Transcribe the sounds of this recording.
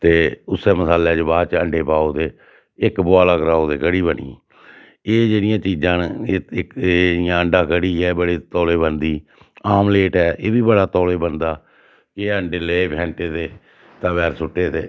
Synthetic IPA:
t̪eːʊseːməsaːleːd͡ʒəbaːt͡ʃəɳɖeːpaːoːd̪eː | ɪkbʊaːlaːkɾaːoːd̪eːkəɽiːbənḭ̃ː | eːd͡ʒeːnɪjãːt͡ʃiːd͡ʒãːnɪkːɪjãːəɳɖãːkəɽiːɦɛːbəɽeːt̪ɔːleːbənd̪iː | aːmleːʈɛːʔeːbiːbəɽaːt̪ɔːleːbənd̪aː | keəɳɖeːleːpʰɛ̃ːɳʈeːt̪eː | t̪ãːbɛːɾsʊʈːeːt̪eː

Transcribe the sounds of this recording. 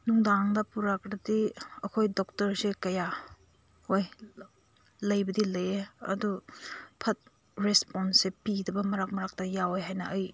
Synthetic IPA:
nuŋdaŋdɐpuɾakɾɐdiɐkʰojdok̚tɐɾsikɐja | hoj | lɐjbɐdilɐjeɐ̰dupʰɐt̚ | ɾesponsepiɡdɐbɐmɐɾak̚mɐɾak̚tɐjawojɦajnɐʔɐj

